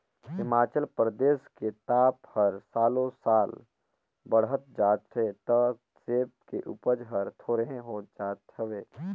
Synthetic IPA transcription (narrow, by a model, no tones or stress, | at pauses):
ɦɪmaːt͡ʃəlpɾəd̪eːsket̪aːphəɾsaːlõsaːl | bəɽɦət̪̚d͡ʒaːt̪ʰeːt̪ə | seːp̚keʔʊ̰pəd͡ʒɦəɾt̪ʰoːɾəɦẽɦoːd͡ʒaːt̪ʰəʋeː